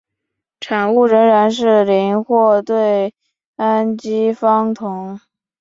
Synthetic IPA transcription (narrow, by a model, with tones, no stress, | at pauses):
ʈ͡ʂʰa˨˩nu˥˩ɻə˧˥ŋɻa˧˥nʂ̬ɻ̩˥˩li˧˥nxwɔ˥˧t̪we˥˩ɪ | a˥nt͡ɕi˥fɑ˥ŋt̪ʰʊ˧˥ŋ